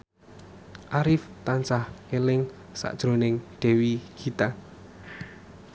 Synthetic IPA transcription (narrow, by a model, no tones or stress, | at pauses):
ʔaɾɪft̪ansahelɪŋ | sa̰ʔd̥ʒ̥ɾo̤nɪŋd̪̥ɛ̤wiɡ̥i̤t̪aŋ